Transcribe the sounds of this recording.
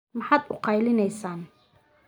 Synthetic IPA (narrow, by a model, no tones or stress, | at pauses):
mɑħɑːd̪ʊqɑjlɪnɛjsaːn